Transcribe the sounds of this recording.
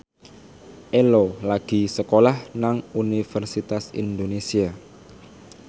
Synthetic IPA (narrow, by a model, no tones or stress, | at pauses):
ʔelolaɡ̥i̤səkolahnaŋunifərsit̪asḭnd̪onesia